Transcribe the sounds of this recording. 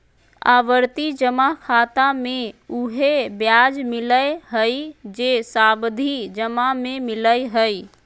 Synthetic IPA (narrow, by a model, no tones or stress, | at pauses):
a̰ːʋəɾt̪id͡ʒəmakʰaːt̪amẽuɦebjaːd͡ʒmɪləjɦəid͡ʒesaːbd̪ʱid͡ʒəmamẽmɪləjɦəi